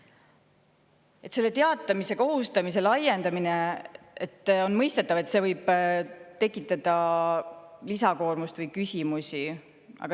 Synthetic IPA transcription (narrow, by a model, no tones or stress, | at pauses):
e̞t̪se̞lːe̞t̪e̞ɑt̪ːˑɑmise̞ko̞ɦust̪ɑmis̬e̞lɑjːend̪ɑmine | et̪ːo̞nmɤjst̪e̞t̪ːˑɑve̞t̪se̞vɤjb̥t̪e̞kːˑit̪ːˑɑd̪̥ɑ | lisɑko̞ːrmust̪vɤjkysʲimusʲi | ɑ̰ɡ̥ɑ